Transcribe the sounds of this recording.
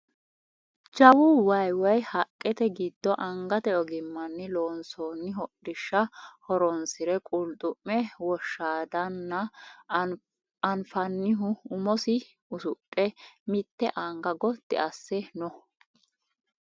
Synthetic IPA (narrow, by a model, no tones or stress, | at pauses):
d͡ʒɐwʊwɐjwɐjhɐkʼːɛt̪ɛɡɪd̪ːɔʔɐŋɡɐt̪ɛɔɡɪmːɐnːɪloːnsoːnːɪɦɔɗɪʃːɐhɔɾɔnsɪɾɛkʼʊlt̪ʼʊmːɛwɔʃːaːd̪ɐnːɐ | ɐnfɐnːɪɦʊʊmɔsɪ | ʊsʊʔʼːɛmɪt̪ːɛʔɐŋɡɐɡɔd̪̥ɛ̰ʔɐsːɛnɔ